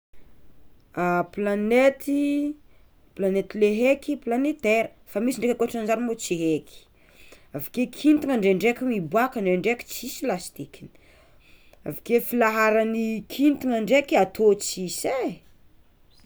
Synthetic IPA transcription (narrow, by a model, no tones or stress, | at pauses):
aplanet̪i | planet̪ileɦekiplanet̪eɾə | famisiɳɖ͡ʐekʲakoʈ͡ʂand͡ʒaɾmot͡siɦekʲi̥ | avakekʰint̪iŋaɳɖ͡ʐeɳɖ͡ʐekʲumibuakəɳɖ͡ʐeɳɖ͡ʐekʲi̥t͡sisilast̪ikini̥ | a̰vikefilaɦaɾanikʰint̪iŋaɳɖ͡ʐekiat̪ʰot͡sise